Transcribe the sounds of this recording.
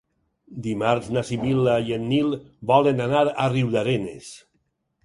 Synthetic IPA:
d̪imaɾznasiβilajenːilˠbɔlenanaɾariwðaɾenḛs

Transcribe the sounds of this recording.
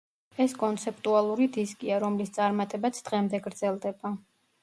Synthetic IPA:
ɛskʼɔnt̪sʰɛp̚ʰʼt̪ʼualˠuɾid̪iskʼiaɾɔmlist̪sʼaɾmat̪ʼɛbat̪sʰd̪̥ʁɛmd̪ɛɡɾd̪zɛlˠd̪ɛba

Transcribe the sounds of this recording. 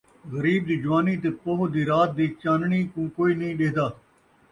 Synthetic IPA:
ɣəɾiːb̚d̪iːd͡ʒʊʋaːniːt̪eːpoɦʊd̪iːɾaːt̪̚d̪iːt͡ʃaːnɳ̃iːkũːkoːiːnəĩːɗeːd̪aː

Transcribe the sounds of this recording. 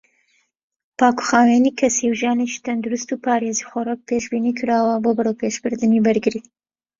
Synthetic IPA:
pɑːku̥xɑːwenikʰɐsiwʒɑːneʃi̥t̪ʰɐnd̪uɾust̪upʰɑːɾeːzixɔɾak̚pʰeːʃbiːniːkʰɨɾaːwɐboːbɨɾowpeːʃbɨɾd̪ɨnibɐɾɡɨɾi

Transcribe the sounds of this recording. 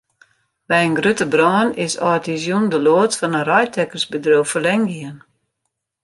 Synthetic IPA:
bɛjənɡrøtəbrɔːnɪsɔtizjundəloːtfɔnərɔjtɛkərsbədrowfəlɛŋɡiən

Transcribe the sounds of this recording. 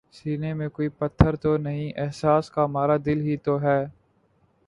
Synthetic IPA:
siːnemẽkoːiːpət̪ʰːəɾt̪oːnəɦĩːʔɛɦsaːskamaːɾaːd̪ɪlɦiːt̪oːɦɛː

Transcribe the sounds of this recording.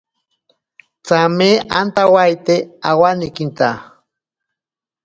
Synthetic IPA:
t͡sameant̪awajt̪eawanikint̪a

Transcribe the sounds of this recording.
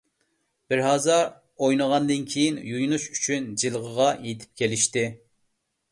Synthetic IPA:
b̥ɪɾɦɑːzɑɾ | ojnəʁɑnd̪ɨnkʲʰejinjujnuʃy̥t͡ʃʰynd͡ʒilˠʁəʁɑjet̪ʰɪ̥p̚kʲelɪʃt̪ɪ

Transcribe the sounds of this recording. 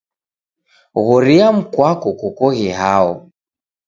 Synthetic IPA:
ɣɔɾiam̩kwakɔkɔkɔɣiɦaɔ̰

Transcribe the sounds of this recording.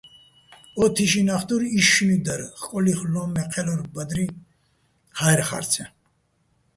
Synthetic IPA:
ɔt̪ʰiʃinaχt̪uɾiʃnid̪aɾχkʼɔliχlɔmɛqʰɛlɔɾbad̪ɾi | hajɛɾχa̰ɾt͡sʰɛ

